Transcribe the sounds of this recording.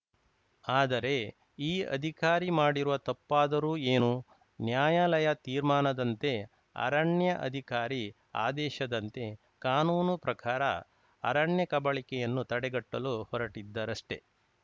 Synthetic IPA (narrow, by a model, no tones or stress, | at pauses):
aːd̪ɐɾe̞ | iːɐ̰d̪ʱikaːɾimaːɽiɾuʋɐt̪ɐpːaːd̪ɐɾuːeːnu | njaːjaːlɐjɐt̪iːɾmaːnɐd̪ɐnt̪e̞ | ɐ̰ɾɐɳjɐʔɐ̰d̪ʱikaːɾi | a̰ːd̪ɛːʃɐd̪ɐnt̪e̞ | kaːnuːnupɾɐkʰaːɾɐ̰ː | ɾɐɳjɐkɐbɐɭikɛjɐnːut̪ɐɽɛɡɐʈːɐluhɔɾɐʈid̪ːɐɾɐʂʈe̞